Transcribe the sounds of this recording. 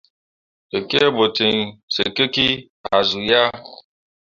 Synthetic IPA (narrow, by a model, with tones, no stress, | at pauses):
e˨ke˦e˦bo˨tɪ˨n˨se˨ke˦ki˦ | a˨zu˨ja˦